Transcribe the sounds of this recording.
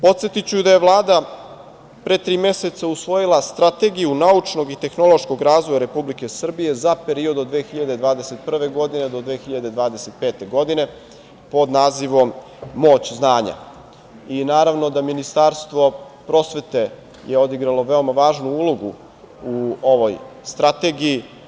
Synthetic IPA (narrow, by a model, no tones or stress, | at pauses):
po̞t̪se̞t̪it͡ɕud̪aje̞ʋlˠaːd̪a | pɾet̪ɾiːme̞se̞t̪sausʋo̞jilˠast̪ɾat̪e̞ɡijunaut͡ʂno̞ɡit̪e̞xno̞lˠo̞ʃko̞ɡɾaːzʋojaɾe̞publike̞sr̩bije̞zape̞ɾio̞d̪od̪ʋeːxiʎad̪e̞d̪ʋaːd̪e̞set̪̚pr̩ʋe̞ɡo̞d̪ined̪o̞d̪ʋeːxiʎad̪e̞d̪ʋaːd̪e̞se̞t̪̚peːt̪e̞ɡo̞d̪ine̞ | po̞d̪naːziʋo̞mː | o̞ːt͡ɕznaːɲa̰ | inaːɾaʋno̞d̪aminist̪aːɾst̪ʋo̞pɾo̞sʋe̞t̪e̞ | jeo̞d̪iɡɾalo̞ʋe̞o̞maʋaːʒnuuːlˠo̞ɡṵ | uoʋo̞j | st̪ɾat̪e̞ɡiji